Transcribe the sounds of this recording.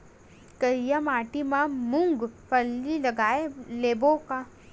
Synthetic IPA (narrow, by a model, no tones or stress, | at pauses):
kɐɾjamaːʈimamʊ̃ŋɡpɐɾlilɐɡaːeleːboka